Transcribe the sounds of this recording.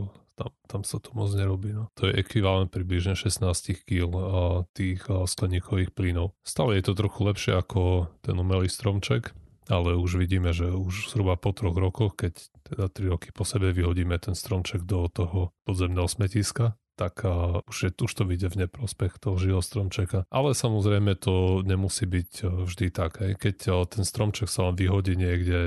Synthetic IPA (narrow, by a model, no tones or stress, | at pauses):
t̪amt̪amsat̪umɔd͡zɲɛɾɔbiːnɔt̪ɔjɛʔɛkʋiʋalɛnt̪̚pɾibliʒɲɛʃɛsnaːscixkiːlt̪iːxsklɛɲiːkʰɔʋiːxpliːnɔʊst̪aːlɛjɛt̪ɔt̪ɾɔxulɛpʃɪɛ̰akɔt̪ɛnumɛliːst̪ɾɔmt͡ʃɛk | alɛuʒʋiɟiːmɛʒɛuʒz̥ɦɾubapɔt̪ɾɔɣɾɔkɔxkɛct̪ɛd̪at̪ɾiɾɔki̥pɔsɛbɛʋiɦɔɟiːmɛt̪ɛnst̪ɾɔmt͡ʃɛɡd̪ɔt̪ɔɦɔpɔd̪zɛmnɛːɦɔsmɛciska | t̪akuʒjɛuʃt̪ɔʋiɟɛvɲɛpɾɔspɛxt̪ɔɦɔʒiɔst̪ɾɔmt͡ʃɛkaʔalɛsamɔzɾɛjmɛt̪ɔɲɛmusiːbicvʒd̪it̪aɡɦɛjkɛct̪ɛnst̪ɾɔmt͡ʃɛksalɛnʋiɦɔɟiːɲɪɛɡɟɛ